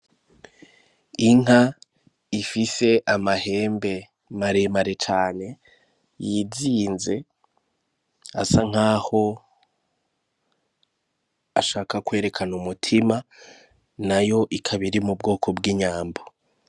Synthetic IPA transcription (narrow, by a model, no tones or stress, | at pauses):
iŋ̥a | ifise̞ʔamahe̞ːmbe̞ | maɾemaɾe̞t͡ʃaːne̞ | jiziːnze̞ | a̰saŋ̥aːho̞ | aʃaːkakwe̞ːɾe̞kʰanumutʰima | najo̞ʔikʰaβiɾimubɡo̞ːkʰo̞bɡiːɲaːmbo